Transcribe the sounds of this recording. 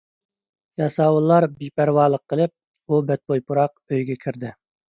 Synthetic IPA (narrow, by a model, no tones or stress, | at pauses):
jɑsɑːwulˠːɑɾbipʰæɾwɑːlˠəqʰːəlˠɪp̚ | ubɛt̪̚bojpʰuɾɑq̚øjɡʲɛkʲʰiɾd̪ɪ